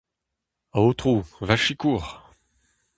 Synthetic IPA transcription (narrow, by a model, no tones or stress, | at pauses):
aot̪χuvaʃikuːʁ